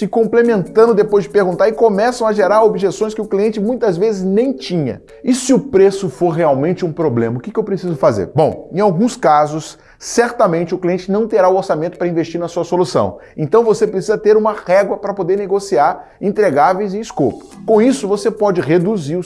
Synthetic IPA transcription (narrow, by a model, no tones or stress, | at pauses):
sɪkõmplemẽnt̪ɐ̃nd̪ʊd̪epojzd͡ʒɪpeɾɡũnt̪aɾɪkomɛsɐ̃w̃aʒeɾaɾobiʒesõj̃skɪʊkliẽnt͡ʃɪmũj̃t̪ɐzvezɪznẽj̃t͡ʃĩɲɐ̰ | ɪsɪʊpɾesʊfoɾɦeawmẽnt͡ʃɪũpɾoblẽmɐʊkɪkɪewpɾesizʊfazḛɾbõw̃ẽj̃awɡũskazʊsː | ɛɾt̪ɐmẽnt͡ʃɪʊkliẽnt͡ʃɪnɐ̃w̃t̪eɾaʊoɾsamẽnt̪ʊpɾɐĩvest͡ʃiɾnɐsuɐsolusɐ̰̃w̃ | ẽnt̪ɐ̃w̃vosepɾesizɐt̪eɾũmɐhɛɡlɐpɾɐpod̪eɾneɡosiaɾẽnt̪ɾeɡavejzɪɪskopʊ̥kõisʊvosepɔd͡ʒɪʁed̪uziɾʊ